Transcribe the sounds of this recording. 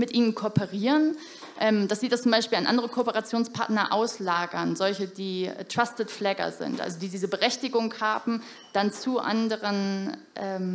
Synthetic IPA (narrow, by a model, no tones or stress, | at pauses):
mɪtʔiːnənkʰopəʁiːʁən | ʔɛːmd̥asz̥iːdast͡sʊmbaɪʃpiːlanʔa̰ndəʁ̞əkʰoːpəʁat͡sjoːnspʰaɐtnɐʔa̰ʊslaːɡɐnzɔlçədiːtʁ̥astətflɛːɡɐ̰zɪ̰ntʔa̰lzodiːdiːzəbəʁɛçtɪɡʊŋhaːbm̩ | d̥ant͡suʔa̰ndəʁənʔɛːm